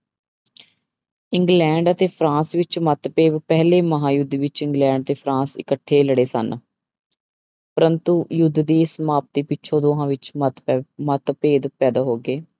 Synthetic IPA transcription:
ɪŋɡlɛ̃ːɳɖət̪eːpʰɾãːsʋɪt͡ʃmət̪peːbpɛɦleːməɦãːjʊd̪ːʋɪt͡ʃɪ̃ŋɡlɛ̃ːɳɖ̚t̪eːpʰɾãːsɪ̰kəʈʰːeːləɽeːsə̰n | pəɾənt̪uːjʊd̪d̪iːɪsmaːp̚t̪iːpɪt͡ʃʃʰoːd̪oːɦãːʋɪt͡ʃmət̪mət̪peːd̪pɛːd̪aːɦoːɡeː

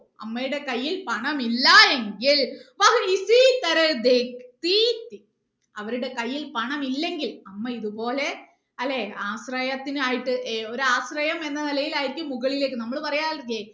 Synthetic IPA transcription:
ɐ̰mːɐjɪɽekɐjːɪlpɐɳɐmɪlːaːeŋɡɪɭʋaːɣɐisit̪ɐɾɐd̪ekt̪it̪i | ɐʋɐɾɯɽekɐjːɪlpɐɳɐmɪlːɛŋɡɪlɐmːɐɪðɯpoːle | ɐlːeaːsɾɐjɐt̪ːɪnɯaːjɪʈːɯʔeːoɾɯaːsɾɐjɐmɛnd̪ɐnɪlɐjɪlaːjɪɾkʲːɯmʊɣɐɭɪleːkːɯnɐmːɐɭɯpɐrɐjaːlɡeː

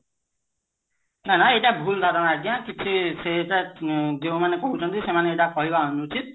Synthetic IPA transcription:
nanaeʈabʱuld̪ʱaɾɔnajd̪ijãkit͡ʃʰiseeʈad̪eũmanekɔɦũt͡ʃʰɔnt̪isemaneːʈakɔɦibaɦɔnuːt͡ʃʰit̪̚

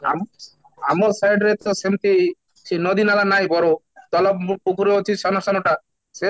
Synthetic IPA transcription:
a̰m | amɔsajɖɾet̪ɔsemt̪i | senɔd̪inalanajbɔɾo | t̪ɔlɔb̚pukʰuɾeot͡ʃʰiʃɔnasɔnoʈa | se

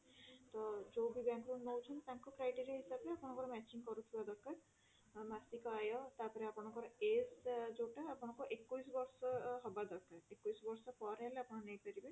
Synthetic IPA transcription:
t̪ɔd͡ʒobʱibãŋkɾunnowt͡ʃʰɔnt̪aŋkɔkɾajʈeɾiaɦisabeapɔɽ̃ɔ̃kɔɾɔmɛt͡ʃiŋkɔɾut̪ʰibad̪ɔkːaɾ | masikɔajɔt̪aɾpɔɾeapɔɽ̃ɔ̃ŋkɔɾɔezd͡ʒoʈaːpɔɽ̃ɔkɔʔekːujsbɔɾsɔɦɔbad̪ɔkːaɾekːujsɔbɔɾsɔpɔɾɦeleapɔɽ̃nejpɔɾibe

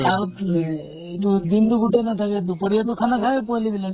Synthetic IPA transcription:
a | itubind̪uɡuʈenat̪ʰaked̪upəɾiɔʈukʰanakʰaepɔlibilen

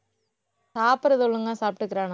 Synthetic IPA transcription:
saːpɪɾɐðɯɔɭːɯŋɡaːsaːpʈːɯkːɪɾaːn

